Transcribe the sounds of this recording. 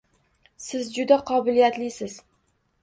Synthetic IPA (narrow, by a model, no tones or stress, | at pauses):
sɪzd͡ʒʊd̪aqʰɒbɪlijat̪lɪsɪz̥